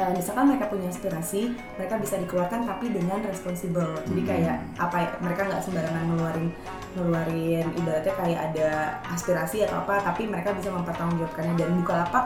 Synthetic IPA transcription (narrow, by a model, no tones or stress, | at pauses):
əmisalkanməɾekapuɲaaspiɾasi | məɾekabisadikəluat̪̚kant̪apidəŋanrɛspɔnsibəld͡ʒadikajaʔ | apaməɾekaŋɡaʔsəmbaɾaŋanəluaɾɪn | nəluaɾɪnidalat̪ɲakajaʔada | aspiɾasiat̪a̰a̰pat̪apiməɾekabisaməmpərt̪aund͡ʒiap̚kanɲadanbukalapa